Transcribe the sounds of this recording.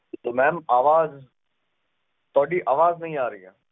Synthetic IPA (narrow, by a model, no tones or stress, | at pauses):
t̪omɛ̃ːmaːʋaːz | t̪ɔːɖiʔaːʋaːznɐɦĩaːɾəḭɛ̰ː